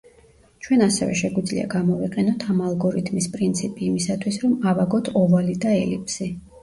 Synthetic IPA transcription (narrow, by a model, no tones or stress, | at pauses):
t͡ʃʰwɛnasɛvɛ̰ʃɛɡwid̪zlḭa̰ɡamɔviqʼɛnɔt̪ʰamalˠɡɔɾit̪ʰmispʼɾint̪sʰipʼiːmisat̪ʰwisɾɔmavaɡɔt̪ʰɔvalid̪aɛlḭpʰsi